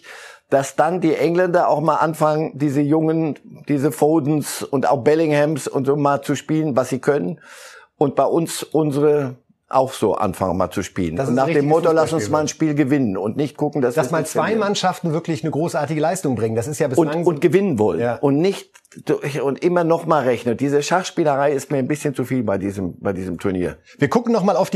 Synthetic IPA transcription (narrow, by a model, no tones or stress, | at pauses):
d̥asd̥andiːʔɛŋlɛndɐa̰ʊxmaːlʔanfaŋəndiːzəjʊŋənd̥iːzəfoːdn̩sʊnta̰ʊxb̥ɛlɪŋhɛmsʊ̰ntz̥oːmaːlt͡suʃpiːlənvasz̥iːkʰœnənʔʊnt̚b̥aɪʔʊnsʔʊnzəʁə | ʔa̰ʊxz̥oːʔa̰nfa̰ŋənma̰ːlt͡suʃpḭːlənsnaːχd̥eːmmɔtolasʊnnsmaːlnʃpiːlɡəvɪnənʊntnɪçt̚ɡ̥ʊkŋ̩d̥asaɛsmaːlt͡svaɪmanʃaftn̩vɪɐklɪçnəɡʁoːsʔaɐtɪɡəlaɪstʊŋbʁɪŋənd̥asɪstjaːbɪʊnŋʊnt̚ɡ̥əvɪnənvɔlənʔʊntnɪçt̚ː | ʊntʔɪmɐnɔχmaːlʁɛçnəd̥iːzəʃaχʃpiːləʁaɪɪst̚miːɐanbɪsçənt͡sufiːlbaɪdiːzəmb̥aɪdiːzəmtʰʊɐnḭːɐ | viːɐɡʊkŋ̩nɔχmaːlaʊfd̥i